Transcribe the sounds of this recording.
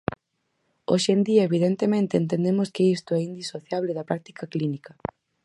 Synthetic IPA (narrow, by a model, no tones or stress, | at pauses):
o̰ʃend̪iɐeβiðent̪emẽnt̪eent̪̬ẽnd̪emʊskɪist̪oɛind̪isoθjaβlɪðɐpɾak̚t̪i̥kɐklinikɐ